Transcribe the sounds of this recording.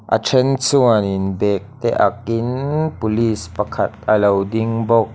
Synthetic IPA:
ʔa̰tʰɛnsuənɪnbɛːk̚t̪ɛʔakinpuliːspɐkʰɐt̪̚ʔɐlɐwdiŋbɔk̚

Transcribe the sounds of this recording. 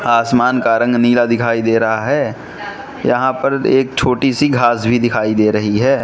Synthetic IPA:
aːsmaːnkaɾə̃ŋɡniːlad̪ɪkʰaːid̪eːɾɐɦaɦɛː | jɐ̰ɦãpɐɾeːk̚t͡ʃʰoːʈisiɡʱaːsbʱid̪ɪkʰaːid̪eːɾɐɦiɦɛː

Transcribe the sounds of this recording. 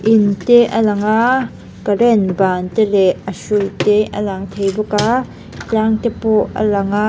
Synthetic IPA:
ʔɪnt̪ɛʔəlɐŋa | kərɛnbaːnt̪ɛlɛəsut̪ɛʔəlaŋt̪ʰejbɔka | t͡ɬaŋt̪ɛpɔʔə̰laŋa

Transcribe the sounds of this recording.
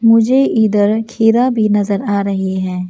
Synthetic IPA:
mʊd͡ʒʱeʔiːd̪əɾkʰiːɾabʱinɐzəɾaːɾɐɦiɦɛ̃ː

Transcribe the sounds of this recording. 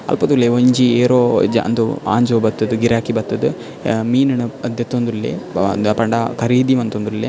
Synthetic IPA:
ɐ̰lpɐd̪uleʋɐɲd͡ʒieːɾoːd͡ʒɐ̰nd̪ua̰ːɲd͡ʒoːbɐt̪ːɐd̪uɡiɾaːkibɐt̪ːɐd̪ɨ | miːnɐɳɐɐd̪jɐt̪ːond̪ɾulːḛpɐɳɖakɐɾiːd̪iʋɐnt̪ond̪ɾulːe

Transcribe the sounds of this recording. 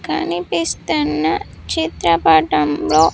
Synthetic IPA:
ka̰nipist̪əna | t͡ʃʰet̪ɾəpaʈəmbɭo

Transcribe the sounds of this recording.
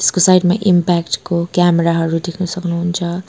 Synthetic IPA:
t̪e̥skosajʈmaʔimpakʈkokameɾaɦʌɾud̪ekʰnʌsʌknuɦunt͡sʰʌ

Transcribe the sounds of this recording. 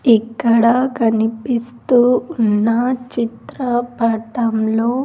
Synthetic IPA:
ikːɐɽɐkɐnipist̪uːnːɐt͡ʃit̪ɾɐbɐʈɐmloː

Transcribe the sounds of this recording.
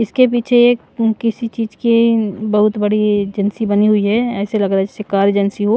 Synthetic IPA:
ɪskep̬iːt͡ʃʰee | kɪsit͡ʃiːd͡ʒkibɐɦʊt̪bɐɽid͡ʒənsibɐniɦʊiɦɛɛːselɐɡɾaɦɛsɪkaːɾd͡ʒənsiɦo

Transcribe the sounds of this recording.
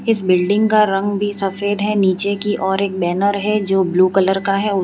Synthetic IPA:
ɪsbɪlɖɪ̃ŋɡkaɾɐ̃ŋɡbʱisɐfeːd̪ɦɛniːt͡ʃekiʔɔːɾeːk̚bɛːnəɾɦɛd͡ʒoːbluːkɐləɾkaɦɛʊ

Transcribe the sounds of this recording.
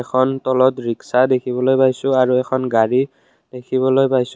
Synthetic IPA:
ɛkʰɔntɔlɔtɹiksadekʰibɔlojpajsʊ̃aɹuɛkʰɔnɡaɹi | d̥ekʰiβɔlojpajsʊ

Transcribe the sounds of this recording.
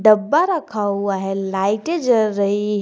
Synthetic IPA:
ɖəbːaɾəkʰaaɦelajʈed͡ʒəɾəɦiɦ

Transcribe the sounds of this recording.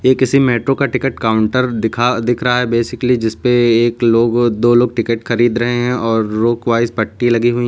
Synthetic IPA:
jekɪsimeːʈɾokaʈɪkəʈkaːʊ̃ɳʈəɾd̪ɪkʰad̪ɪkʰɾɐɦaɦɛbeːsɪklid͡ʒɪspeeːkloːɡd̪oːloːɡ̚ʈɪkəʈxɐɾiːd̪ɾɐɦeɦɛ̃ɔːɾːoːkʋaːɪzpɐʈːilɐɡiɦui

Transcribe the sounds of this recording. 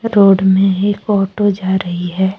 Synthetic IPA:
ɾoːɖmẽeːkɔːʈod͡ʒaːɾɐɦiɦɛː

